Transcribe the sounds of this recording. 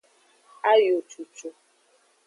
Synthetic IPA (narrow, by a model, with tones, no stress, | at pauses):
a˦jo˨t͡ʃu˨t͡ʃu˦